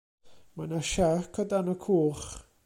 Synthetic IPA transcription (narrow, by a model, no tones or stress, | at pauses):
manaʃakʰɔdanɔkʰuːχ